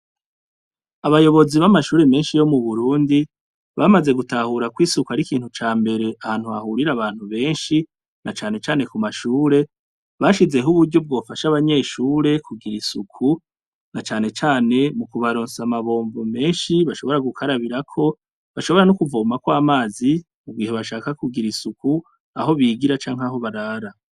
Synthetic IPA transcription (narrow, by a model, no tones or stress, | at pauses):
aβajo̞βo̞ziβamaʃuːɾe̞me̞ːnʃijo̞muβuɾuːndi | βamaze̞ɡutahuɾakwiːsukuaɾikiːnhut͡ʃaːmbe̞ɾe̞ahaːn̥huβahuɾiɾaβaːn̥huβe̞ːnʃi | nat͡ʃaːne̞t͡ʃaːne̞kumaʃuːɾe̞ | βaʃize̞ɦuβuɾɟo̞b̚ɡo̞ːfaʃaβaɲe̞ːʃuːɾe̞kʰuɡiɾisukʰu | nat͡ʃaːne̞t͡ʃaːne̞mukuβaɾoːnsamaβo̞ːɱvume̞ːnʃiβaʃo̞βo̞ɾaɡukʰaɾaβiɾakʰo̞ | βaʃo̞βo̞ɾanukuvoːmakwaːmaːzi | mubɡiːheβaʃaːkakuɡiɾisukʰu | a̰ɦo̞βiːɡiɾat͡ʃaːŋhaɦo̞βaɾaːɾa